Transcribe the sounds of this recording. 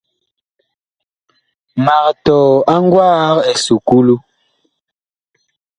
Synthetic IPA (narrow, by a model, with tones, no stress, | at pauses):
ma˨ktɔː˨a˦ŋ˦ɡwaː˦ke˨su˨ku˦lu˦